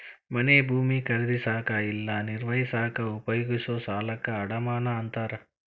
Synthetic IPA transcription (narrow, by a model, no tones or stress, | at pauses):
mɐneːbʱuːmikɐɾid̪isaːkɐilːaːniɾʋɐjisaːkɐupɐjuɡisoːsaːlɐkɐːɽɐmaːnɐɐnt̪aːɾɐ